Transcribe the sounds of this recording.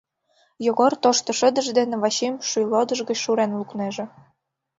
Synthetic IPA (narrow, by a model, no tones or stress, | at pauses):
joɣort̪oʃt̪ɤ̆ʃə̆d̪ə̆ʒd̪enĕβɑɕimʃujlod̪ə̆ʒɣə̆t͡ɕʃuɾenlukneʒĕ